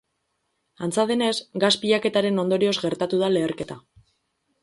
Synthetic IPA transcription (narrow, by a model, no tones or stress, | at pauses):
ant͡saðe̞ne̞sɡaspiʎake̞t̪aɾe̞no̞nd̪o̞ɾio̞zɡe̞ɾt̪at̪uð̞ale̞ːɾke̞t̪a